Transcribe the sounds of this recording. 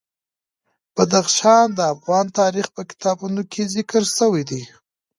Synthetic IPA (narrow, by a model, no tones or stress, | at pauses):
b̥ad̪axʃɑnd̪əafɣɑnt̪ɑɾixpəkɪ̥t̪ɑbunokʰezɪkəɾsəwid̪i